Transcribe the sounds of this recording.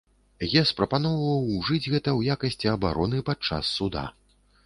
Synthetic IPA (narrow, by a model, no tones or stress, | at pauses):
jaspɾɐpanɔvɐvɐwʐɨd͡zʲɣɛt̪ɐwjakɐsʲt͡sʲiɐbaɾɔnɨpat͡ʂa̰sːud̪a̰